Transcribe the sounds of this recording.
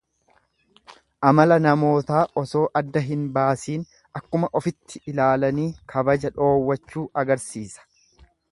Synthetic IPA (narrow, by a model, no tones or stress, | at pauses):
ʔɐmɐlɐnɐmo̞ːt̪aːʔɔso̞ːʔɐd̪ːɐɦɪnbaːsiːn | ɐkːʊmɐʔɔfɪt̪ʰːɪʔɪlaːlɐniːkʰɐbɐd͡ʒɐᶑo̞ːwːɐt͡ʃːuːʔɐɡɐɾsiːsɐ̥